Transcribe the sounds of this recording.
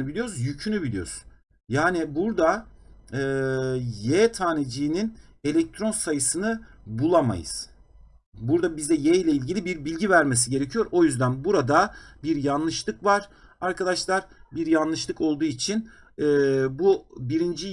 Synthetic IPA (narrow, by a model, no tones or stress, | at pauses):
ɯbilʲijozjycʰynybilʲijo̞̰ɾsn | jaːnibuɾd̪a | ɯːjɛt̪ʰaːned͡ʒijːnin | e̞lʲɛc̚t̪ʰɾo̞nsajɯsɯnɯbulˠama̰jɯ̰z̥ | buɾd̪abizd̪ɛjejlʲɛilʲɟilʲibiɾbilʲɟivæɾmes̬iɟeɾecʰijo̞ɾʔo̞jyzd̪ænbuɾad̪abiɾjanlˠɯʃlˠɯkvaɾ̥ | aɾkad̪aʃlˠaɾbiɾjanlˠɯʃlˠɯko̞lˠd̪uːit͡ʃʰin | ɛːbubiɾind͡ʒi